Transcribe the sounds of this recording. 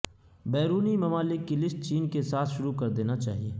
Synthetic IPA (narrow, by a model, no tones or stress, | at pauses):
bɛːɾuːnimɐmaːlɪkːilɪsʈ̚t͡ʃiːnkesaːt̪ʰʃʊɾukɐɾd̪eːnat͡ʃa̰ːɦieː